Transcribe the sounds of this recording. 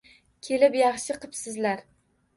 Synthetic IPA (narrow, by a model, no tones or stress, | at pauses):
kʲʰe̞lɪpjɑχʃɪqʰɨpsɪzlaɾ